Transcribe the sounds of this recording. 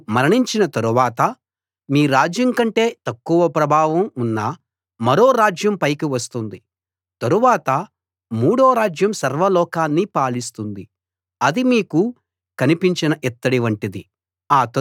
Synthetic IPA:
mɐɾɐɳiɲt͡ʃinɐt̪ɐɾuʋaːt̪ɐ | miːɾaːd͡ʒjɐŋkɐɳʈe̞ːt̪ɐkːuʋɐpɾɐbʱaːʋɐmunːɐ | mɐɾo̞ːɾaːd͡ʒjɐmpɐjkiʋɐst̪und̪i | t̪ɐɾuʋaːt̪ɐ | muːɽoːɾaːd͡ʒjɐmsɐɾʋɐlɔːkaːnːipaːlist̪und̪i | ɐd̪imiːku | kɐnipiɲt͡ʃinɐʔɛt̪ːɐɽiʋɐɳʈid̪i | aːt̪ɐ

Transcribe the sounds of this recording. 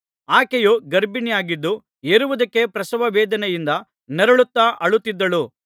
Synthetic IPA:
aːkejuɡɐɾbinijaːɡid̪ːu | eɾuʋɐd̪ɐkːe̞pɾɐsɐʋɐʋɛːd̪ɐnɛjind̪ɐ | nɛɾɐɭut̪ːaːʔɐɭut̪ːid̪ːɐɭu

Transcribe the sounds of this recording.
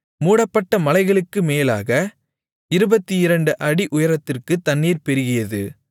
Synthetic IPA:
muːɽɐpːɐʈːɐmɐlɐɪɣɐɭɯkːɯmeːla̰ːɣɐ | ɪɾɯbɐt̪ːiɪɾɐɳɖɯʔɐɽiʔʊjɐɾɐt̪ːɪrkɯt̪ːɐnːiːɾpɛɾɪɣɪjɐðɯ

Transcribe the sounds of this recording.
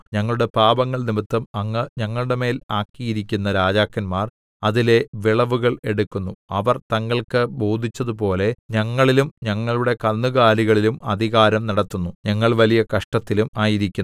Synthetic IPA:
ɲɐŋːɐɭuɽe̞paːbɐŋːɐɭnimit̪ːɐmɐŋːɐɲɐŋːɐɭuɽe̞me̞ːlaːkːijiɾikʲːunːɐɾaːd͡ʑaːkːɐnmaːr | ɐðile̞ʋiɭɐʋuɣɐɭe̞ɽukːunːuɐʋɐrt̪ɐŋːɐɭkɨbo̞ːd̪ʱit͡ɕːɐðupo̞ːle̞ɲɐŋːɐɭilumɲɐŋːɐɭuɽe̞kɐnːuɣaːɾiɣɐɭilumɐd̪ʱiɣaːɾɐmnɐɽɐt̪ːunːuɲɐŋːɐɭʋɐlijɐkɐʂʈɐt̪ːilumaːjiɾikʲːun

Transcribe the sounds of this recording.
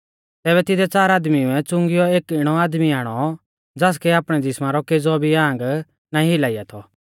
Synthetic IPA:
t̪ɛːβɛt̪ɪd̪ɛt͡saːɾaːd̪miɛ̃t͡sʊ̃ŋɡɪjɔeːkɪɽ̃ɔaːd̪miaːɽ̃ɔ | d͡zaːs̬kɛaːpɽ̃ɛd̪ɪsmãɾɔked͡zɔbʱiãːŋɡ | naːĩɦɪlaːɪja̰t̪ʰɔ

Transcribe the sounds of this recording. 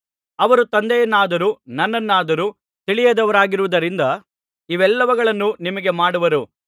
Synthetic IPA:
ɐʋɐɾut̪ɐnd̪ɛjɐnːaːd̪ɐɾuːnɐnːɐnːaːd̪ɐɾu | t̪iɭijɐd̪ɐʋɐɾaːɡiɾuʋud̪ɐɾind̪ɐ | iʋɛlːɐʋɐɡɐɭɐnːunimɐɡe̞maːɽuʋɐɾu

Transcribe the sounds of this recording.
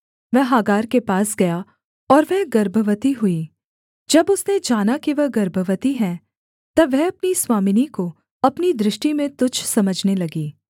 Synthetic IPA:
ʋɛɦɦaːɡaːɾkepaːsɡɐja | ɔːɾʋɛɦɡɐɾbʱəʋət̪iɦʊiː | d͡ʒɐbʊsned͡ʒaːnakiʋɐɦɡɐɾbʱəʋət̪iɦɛ̃ | t̪ɐʋɛɦɐpniswaːmɪniko | ɐpnid̪ɾɪʃʈimẽt̪ʊt͡ʃʰsɐməd͡ʒʱnelɐɡiː

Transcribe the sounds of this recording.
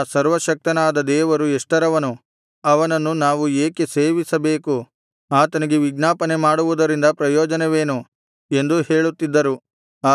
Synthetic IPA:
sɐɾʋɐʃɐk̚t̪ɐnaːd̪ɐd̪ɛːʋɐɾueʂʈɐɾɐʋɐnu | ɐʋɐnɐnːunaːʋueːke̞se̞ːʋisɐbe̞ːku | aːt̪ɐniɡe̞ʋiɡnaːpɐne̞maːɽuʋud̪ɐɾind̪ɐpɾɐjɔːd͡ʒɐneʋe̞ːnu | e̞nd̪uhe̞ːɭut̪ːid̪ːɐɾu | aː

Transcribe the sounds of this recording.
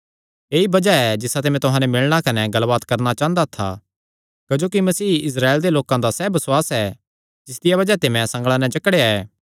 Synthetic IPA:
eːibɐd͡ʒaɛd͡ʒɪsat̪emɛ̃t̪ʊɦãːnɛmɪɭɽ̃akɐnɛɡɐlbaːt̪kɐɾñat͡ʃãːə̃nd̪at̪ʰa̰ | kɐd͡ʒoːkimɐsiːɪs̬ɾaːeld̪eloːkãd̪asɛːbɐswaːsɛ | d͡ʒɪsd̪ɪjaβɐd͡ʒat̪emɛ̃sɐ̃ŋɡɭanɛ̃t͡ʃɐkɽeːaɛː

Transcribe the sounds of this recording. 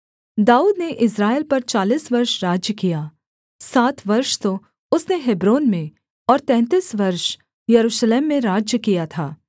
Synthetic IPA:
d̪aːuːd̪neʔɪsɾaːɪlpɐɾt͡ʃaːliːsʋɐɾʃɾaːd͡ʒjəkijaː | saːt̪ʰʋɐɾʃt̪o | ʊsneɦɪbɾoːnmẽ | ɔːɾt̪ɛ̃ːnt̪iːsʋɐɾʃ | jɐɾuːʃleːmːẽɾaːd͡ʒjəkijat̪ʰaː

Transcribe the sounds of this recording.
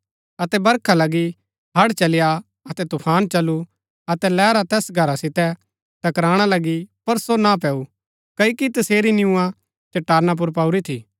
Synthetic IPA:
ɐt̪ɛbɐɾkʰalɐɡi | ɦɐɽt͡ʃɐlɪja | ɐt̪ɛt̪ʊpʰaːnt͡ʃɐlːu | ɐt̪ɛlɛːɾat̪ɛːsɡʱɐɾasɪt̪ɛ | t̪ɐkɾaːɽ̃alɐɡipɐɾsonap̬ɛːu | kɐjokit̪ɐseːɾinɪũã | t͡ʃɐʈːaːɾnap̬ʊɾpauɾit̪ʰḭː

